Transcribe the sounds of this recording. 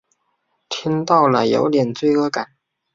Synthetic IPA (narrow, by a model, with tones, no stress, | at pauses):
t̪ʰi˥ŋt̪ɑ˥˩ʊlə˩jo̰˧˥ʊt̪jɛ˨˩nt͡swe˥˩ɪɤ˥ka˨˩˦n